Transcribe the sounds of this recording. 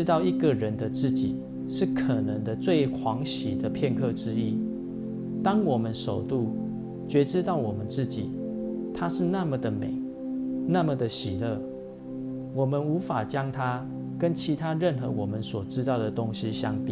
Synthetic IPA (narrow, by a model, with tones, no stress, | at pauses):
t̪ɑ˥˧ʊi˧˥ɡə˨ɻə˨˦nd̪ə˨t͡sɹ̩˥˨t͡ɕi˨˩ | ʂɻ̩˥˩kʰə˨˩nə˧˦ŋd̪ə˧t͡swe˥˨˩ɪkʰwɑ˧˦ŋɕi˨˩d̪ə˨pʰjɛ˥˧nkʰɤ˥˧ʈ͡ʂɻ̩˥i˥˨ | t̪ɑ˥ŋwɔ˨˩mə˨˦nʂo˨˩ʊt̪u˥˩ | t͡ɕɥɛ˨˥ʈ͡ʂɻ̩˦t̪ɑ˥˩ʊwɔ˨˩mə˦nt͡sɹ̩˥˩t͡ɕi˨˩ | t̪ʰa˦ʂɻ̩˥˧na˥˨mə˨d̪ə˨me˨˩˦ | na˥˨mə˨d̪ə˨ɕi˨˩lə˥˩ | wɔ˨˩mə˨nu˧˥fa˨˩t͡ɕjɑ˦ŋt̪ʰa˦ | kə˦nt͡ɕʰi˧˥t̪ʰa˦ɻə˥˨nxə̰˧˦wɔ˨˩mə˦nswɔ˨˩ʈ͡ʂɻ̩˥t̪ɑ˥˩ʊd̪ə˩t̪o˦ŋɕi˧˦ɕjɑ˥˦ŋpi˨˩